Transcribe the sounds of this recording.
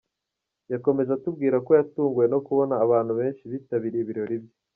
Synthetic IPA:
jako̞me̞zatub̚ɡiːɾako̞jatuːŋɡuje̞no̞kuβo̞naːβaːn̥huβe̞ːnʃiβitaβiɾeiβiɾo̞ɾibjo

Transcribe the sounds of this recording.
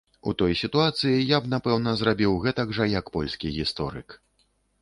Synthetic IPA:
ut̪ɔjsʲit̪uat̪sɨjijabn̪apɛwn̪ɐzɾabʲiwɣɛt̪ɐɡʐɐjɐkpɔlʲsʲkʲiɣʲist̪ɔ̰ɾɨ̰k

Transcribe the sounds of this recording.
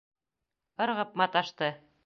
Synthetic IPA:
ɤ̆ɾʁɤp̚mɑt̪ɑʃt̪ɤ

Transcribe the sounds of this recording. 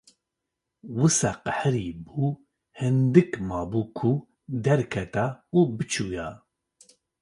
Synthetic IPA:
wɨsaqəħɾiːbuː | hɨnd̪ɨkmɑːbuːkʰu | d̪ɛɾkʰɛt̪auːbɨt͡ʃʰuːjaː

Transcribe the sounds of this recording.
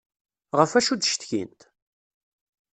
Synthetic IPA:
ʁəfæʃud̪ʃt̪çḭnt̪

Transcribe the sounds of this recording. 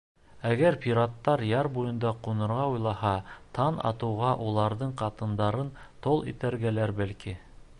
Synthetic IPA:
æɡæɾpʲiɾat̪ːɑɾjɑɾbujɤ̆nd̪ɑqunɤ̆ɾʁɑujlˠɑhɑt̪ʰɑnɑ̰t̪ɤ̆wʁɑʔulˠɑɾðɤɴqɑt̪ɤ̆nd̪ɑɾɤnt̪olˠḭt̪æɾɡælæɾbælki

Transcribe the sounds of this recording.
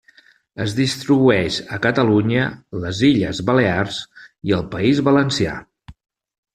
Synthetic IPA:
əzðist̪ɾiβuɛʃəkət̪əluɲələziʎəzβəlearsiəlˠpəizβələnsia̰

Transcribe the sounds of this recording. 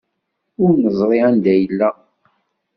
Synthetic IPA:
ʊɾnəzˤɾˤiænd̪æjəlːæ

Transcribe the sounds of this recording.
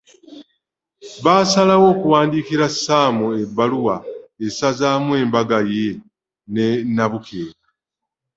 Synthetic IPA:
βaːsalawo̞ːkuwaːndiːkiɾasaːmoebːaluwaesazaːmwe̞ːmbaɡaje̞ | nenːaβukʰeːɾa

